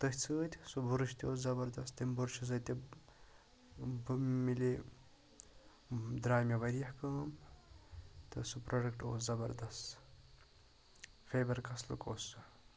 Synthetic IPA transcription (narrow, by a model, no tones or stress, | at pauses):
t̪ɨhʲt͡sʰɨːt̪ʲsubʱuɾɨʃt̪ʰʲioːszɐbɐɾd̪ɐst̪t̪imbuɾʃus̬ɐt̪ʲi | bmili | d̪ɾaːjmeʋɐɾijɐhkɐːm | t̪ɨsupɾoɖɐkʈo̰ːszɐbɐɾd̪ɐst̪ | fʰʲeːbɐɾkɐslṵkoːsːɨ